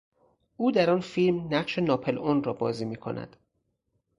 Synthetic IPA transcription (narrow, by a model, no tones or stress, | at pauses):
ʔuːd̪æɾɒːnfilmnæɢʃe̞nɒːpʰelonrɒːbɒ̰ːziːmiːkʰo̰nʔæ̰d̪̥